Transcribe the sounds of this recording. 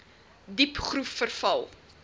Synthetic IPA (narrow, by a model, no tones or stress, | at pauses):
dipχrufːərfɐlˠ